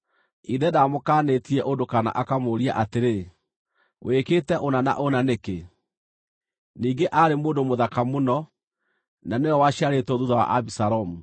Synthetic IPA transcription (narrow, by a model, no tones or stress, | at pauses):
iðɛdamokaːnetiɛʔondokana̰ʔakamoɾia̰ʔateɾe | wʔekeːtɛʔonana̰ʔonaneke | niːŋɡeʔaɾemoːndomoðakamonɔ | naneɔwaɕiaɾetɔðuðawa̰ʔabisaɾɔmu